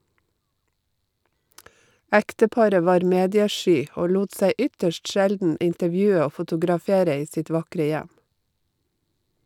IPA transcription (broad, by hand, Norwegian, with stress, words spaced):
ˈæktəˌpɑɾə ˈʋɑːɾ ˈmeːdɪəˌʃyː ˈoː ˈluːt ˈsæɪ ˈʏtəʃʈ ˈʃældn̩ ɪntəˈʋjʉːə ˈoː fʊtʊɡɾɑˈfeːɾə ˈiː ˈsɪt ˈʋɑkɾə ˈjæm